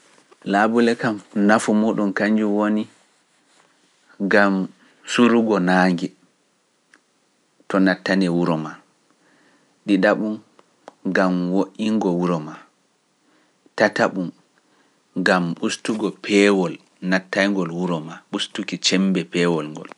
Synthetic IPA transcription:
laːbulɛkamnafumɔɗunkaɲd͡ʒuwoni | ɡam | suɾuɡɔnaːŋɡɛ | tɔnatːanɛwuɾɔma | ɗiɗaɓum | ɡamwoʔiŋɡɔwuɾɔma | tataɓum | ɡamɓustuɡɔpʰɛwɔl | natːajŋɡɔlwuɾɔmaɓustukit͡ʃɛmbɛpɛːwɔlŋɡɔ̰l

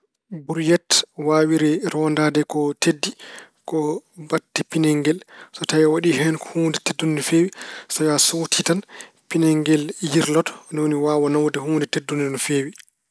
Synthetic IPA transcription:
buɾjɛtwaːwiɾiɾɔndaːdɛkɔtedːi | kɔbatːipinɛŋɡɛlsɔtajɔwaɗiɦɛnkɔhuːndɛtedːunːifeːwisɔjasowtʰitan | pinɛŋɡɛljiɾlɔtɔ̥nɔwoniwawanawdɛɦuːndɛtedːunnɔfeːwi

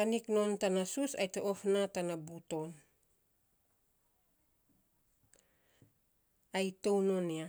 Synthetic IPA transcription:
anikno̞ntanasusa̰jtoʔofnatanabuto̞n | ajtownonia

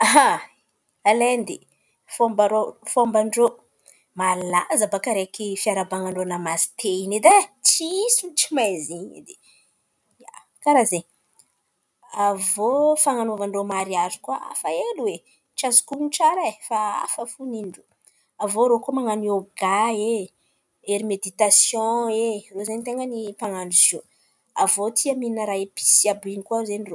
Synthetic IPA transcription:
aɦa | alend̪e | fombaɾofombaɳɖ͡ʐo | malazəbakaɾekifiaɾabaŋaɳɖ͡ʐonamazi̥t̪ʰeined̪at͡siisint͡ʃimajziɲḭd̪e | ja | kaɾazeɲ | avofaŋanovaɳromaɾiazi̥kuaa̰faeluwe | ʈ͡ʂazu̥kumiʈ͡ʂaɾaefaa̰fəfuniɖ͡ʐu | avoɾokomaŋanioɡae | eɾimed̪it̪asjɔ̃erozeɲt̪eŋɡənipaŋaɳuzo | avot̪ʰiamininəɾaepi̥siabinikuazeniro

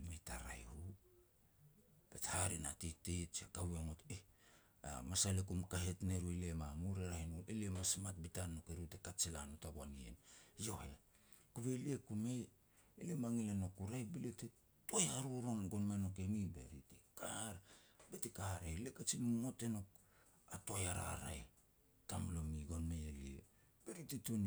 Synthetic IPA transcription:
mejtaɾa̰jhu | b̥ethaɾina̰titet͡ʃakawaŋote | a̰masalekumkahetneɾuelemamuɾeɾahinulʔeliemasmat̚bitanːokeɾitekat͡ʃilanotabwaniḛnjo̞hḛ | kuβe̞liekumej | elemaŋilanokuɾajbilete | tojhaɾuɾonɡonmanokemibḛɾitekahɾbetekahaɾelekat͡ʃinumote̞nok̚ | atojaɾa̰ɾa̰j | tamlomiɡo̞nmejeliḛ | b̥eɾititoni

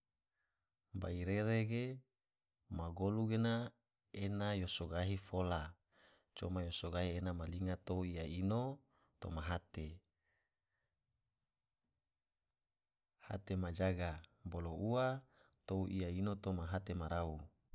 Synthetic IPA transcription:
baiɾeɾeɡe | maɡoluɡena | enajosoɡaɦifola | t͡ʃomajosoɡaɦienamaliŋat̪ouijaino | t̪o̰maɦat̪e | ha̰t̪emad͡ʒaɡabolouat̪ouʔiainot̪omaɦat̪emaɾau

